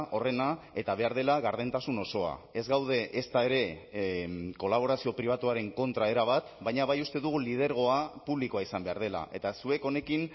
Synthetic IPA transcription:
ʔo̞re̞nae̞t̪aβe̞aɾð̞e̞laɣaɾðe̞nt̪asuno̞so̞a̰ezɣawð̞e̞ʔːst̪ae̞ɾe̞ | ko̞laβ̞o̞ɾasio̞pɾiβ̞at̪uaɾe̞ŋko̞nt̪ɾae̞ɾaβ̞at̪baɲaβajust̪e̞ðuɣ̞ulið̞e̞ɾɣ̞o̞apuβliko̞aisambe̞aɾð̞e̞la̰ʔe̞t̪asue̞ko̞ne̞kin

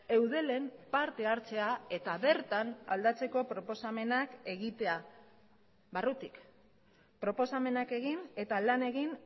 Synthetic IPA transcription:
e̞wðe̞le̞mpaɾt̪e̞aɾt͡se̞ae̞t̪aβe̞ɾt̪ana̰ld̪at͡se̞ko̞pɾo̞po̞same̞nake̞ɣit̪e̞a | βarut̪ik | pɾo̞po̞same̞nake̞ɣ̞ine̞t̪alane̞ɣin

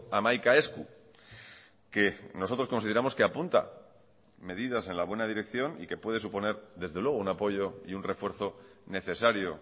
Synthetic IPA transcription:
amajkae̞skṵ | ke̞no̞sot̪ɾo̞sko̞nsiðeɾamo̞ske̞apunt̪a̰ | me̞ðiðase̞nlaβwe̞nað̞iɾe̞kθjo̞nḭke̞pwe̞ð̞e̞s̬upo̞ne̞ɾðe̞zðe̞lwe̞ɣ̞ounapo̞ʝo̞iunre̞fwe̞ɾθo̞ne̞θe̞saɾjo̞

